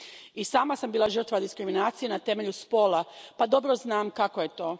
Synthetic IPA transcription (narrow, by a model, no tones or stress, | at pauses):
isaːmasambiːlˠaʒər̩t̪ʋad̪iskɾiminaːt̪sijenat̪e̞me̞ʎuspo̞ːlapad̪o̞bɾoznaːmkakoje̞t̪o̞ː